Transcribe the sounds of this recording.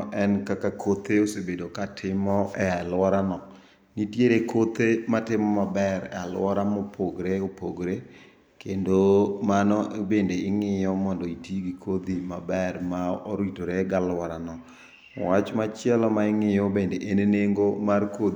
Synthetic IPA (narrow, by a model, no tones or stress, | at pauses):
ʔɛnkakakʰot̪eosebedokatʰɪmɔʔɛalwɔɾanɔ | nitjeɾekʰot̪ematɪmɔmabɛɾɛ̰alwɔɾamɔpʰoɡɾeopoɡɾe | kendomanɔbendeɪŋɪjɔmɔndɔitiɡikʰod̪imabɛrmaoɾwitoɾeɡalwɔɾanɔ̰ | wat͡ʃmat͡ʃɛlɔmaɪŋɪjɔbendeʔeneneŋɡomarko